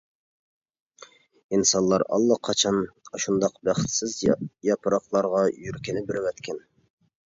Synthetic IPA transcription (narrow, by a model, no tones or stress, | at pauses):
insɑnlˠɑɾɑ̰lˠːɑqʰːɑt͡ʃʰɑnɑʃund̪ɑqbæχt̪sɪzjɑpʰɨɾɑqlˠɑɾʁɑjyɾkʲinɪbɪɾɪwɛt̪kʲʰɛn